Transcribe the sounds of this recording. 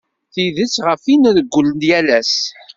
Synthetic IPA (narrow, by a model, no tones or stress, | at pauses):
θiðət͡sːʁəfinðəɡʷːulənjælæs